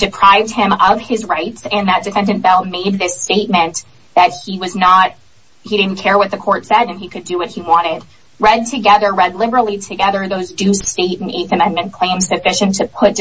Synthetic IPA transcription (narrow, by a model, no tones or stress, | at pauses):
d̥ɨpʰɹ̥aɪvd̚ɪ̃mʌv̥ɪzɹaɪtsɨ̃nðɨt̚d̥ɨfɛ̃ndɨ̃nb̥ɛlˠmeɪd̪̚ðɪsteɪt̚mɨ̃n | ðɨt̚hiwʌznət̚ | hiɾɪdⁿn̩kʰɛɹwʌt̪̚ðɨkʰɔɹtsɛɾɨ̃nikʰɨdɨwʌt̚hiwɑ̃ɾ̃ɪd̥̚ | ɹɛd̚tʰɨɡɛðə˞ɹɛdˡlɪbə˞l̩ˠiɾʰɨɡɛðə˞ðoʊzdʉsteɪɾ̃n̩ḛɪθɨmɛ̃nmɨ̃nkʰl̥ẽɪ̃msɨfɪʃɨ̃ntʰɨpʰʊt̚